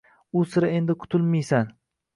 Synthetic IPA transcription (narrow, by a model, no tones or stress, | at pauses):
ʊsɪɾɪe̞nd̪ɪkʰʊ̥t̪ʰʊlmijsan